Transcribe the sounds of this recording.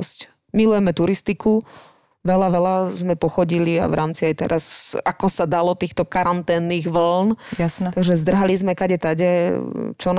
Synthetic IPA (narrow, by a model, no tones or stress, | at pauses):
sc | milujɛmɛt̪uɾist̪iku | ʋɛlaʋɛlazmɛpɔxɔɟilia̰ʋɾʔaːmt͡siajt̪ɛ̰ɾasakɔsad̪alɔt̪iːxt̪ɔkaɾant̪ɛːnːiːɣʋl̩njasnt̪aɡʒɛzd̪r̩ɦalizmɛkaɟɛt̪aɟɛt͡ʃɔn